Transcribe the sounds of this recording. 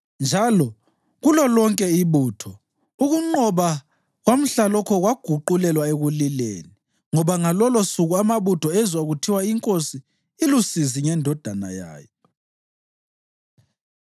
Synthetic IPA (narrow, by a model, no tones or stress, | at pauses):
nd͡ʒʱalɔ | ɣulɔlɔŋkʼɛiβuːtʰɔ | uɣuŋ͡ǃɔβa | ɣwam̩ɬalɔkʰɔɣwaɡ̥ʱuǃulɛlwaeɣulilḛni | ŋɔβaŋalɔlɔsuɣuamaβutʰɔɛzwaɣutʰiwaiŋkʼosiː | lusiziŋɛndʱɔd̥ʱana̰ja̰ːjɔ